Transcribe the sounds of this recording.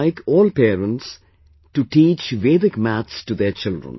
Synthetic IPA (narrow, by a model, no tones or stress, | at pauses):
ɪkʰɔːlpeːɾə̃nʈs | ʈuʈiːt͡ʃʋeːdɪkmæt̪sʈud̪eɾt͡ʃɪlɖɾə̰̃n